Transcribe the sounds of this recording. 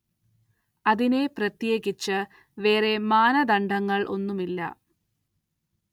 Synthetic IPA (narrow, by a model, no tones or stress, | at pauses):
ɐðine̞prɐt̪jeːɣit͡ɕːɨ | ʋe̞ːre̞maːnɐd̪ɐɳɖɐŋːɐɭʔo̞nːumilːɐ̰